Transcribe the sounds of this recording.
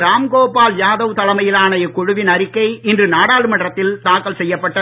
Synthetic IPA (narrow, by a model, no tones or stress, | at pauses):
ɾaːmkoːpaːljaːðɐʋt̪ɐlɐmɐjɪlaːnɐjɐkʊɻʊʋɪnɐɾɪkːɐɪɪndrɯnaːɽaːlɯmɐɳɖrɐt̪ːɪlt̪aːkːɐlsɛjːɐpːɐʈːɐ